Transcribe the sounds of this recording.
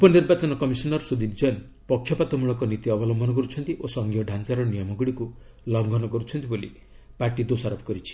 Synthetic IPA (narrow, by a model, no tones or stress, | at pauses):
upɔniɾbat͡ʃɔnɔkɔmisɔnɔɾsud̪ʱib̚d͡ʒɔjn | pɔkʰːjɔpat̪ɔmuɭɔkɔnit̪iɔbɔlɔmbʱɔnɔk̬ɔɾut͡ʃʰɔnt̪iʔosɔŋɡʱijɔɖʱant͡ʃaɾɔnijɔmɔɡɔɽiku | lɔŋɡʱɔnɔkɔɾut͡ʃʰɔnt̪ibolḭ | paɾʈid̪osaɾɔpʰɔ̥kɔɾit͡ʃʰi̥